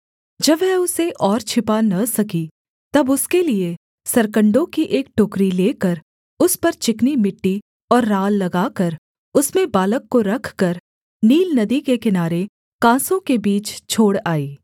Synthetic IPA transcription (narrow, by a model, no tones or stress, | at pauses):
d͡ʒɐbɦɛʊseʔɔːɾt͡ʃʰɪpanɐsɐki | t̪ɐbʊskelie | sɐɾkə̃ɳɖõkiʔeːk̚ʈoːkɾileːkəɾ | ʊspɐɾt͡ʃɪknimɪʈːi | ɔːɾːaːlːɐɡaːkəɾ | ʊsmẽbaːləkːoɾɐkʰkɐɾ | niːlnɐd̪ikekɪnaːɾe | kãːsõkebiːt͡ʃt͡ʃʰoːɽaːiː